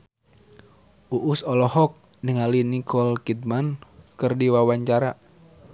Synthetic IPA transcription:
ʔuʔusɔlɔɦɔk̚niŋalinikʰɔlkit̪̚mankɨrdiwawaɲt͡ʃaɾa

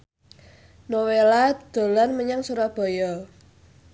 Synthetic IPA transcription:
nowelad̪̥o̤lanməɲaŋsuɾɔb̥ɔ̤jɔ

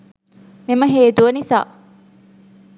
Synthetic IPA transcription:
memɐɦeːt̪uʋɐnisa̰ː

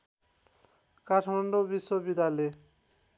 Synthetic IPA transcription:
kaʈʰmaɳɖobiʃːobid̪ale

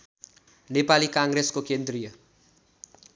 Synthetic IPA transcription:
nepalikãŋɡɾeskokend̪rijʌ

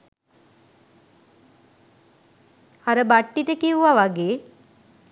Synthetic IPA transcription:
aɾəbaʈːiʈəkiʋuʋaʋaɡeː

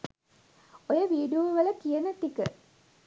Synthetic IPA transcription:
ojəʋiːɖuoʋəʋələkijənət̪ikə̰

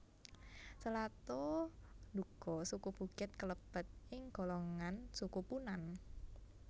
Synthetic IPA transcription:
səlat̪ɔ | nuɡ̥ɔ̤sukub̥ṳkɪt̪̚kələb̥ə̤t̪̚ʔɪŋɡ̥o̤loŋansukupunan

